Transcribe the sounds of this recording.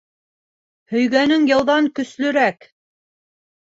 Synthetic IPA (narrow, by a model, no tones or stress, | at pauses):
hɵ̆jɡænɵŋjɤ̆lˠðɑŋkɵ̆slɵ̆ɾæk